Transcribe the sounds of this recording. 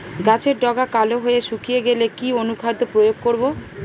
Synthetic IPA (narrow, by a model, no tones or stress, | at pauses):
ɡat͡ɕʰeɾɖɔɡakaloɦoeeʃukijeɡelekionukʰad̪opɾojoɡ̚koɾbo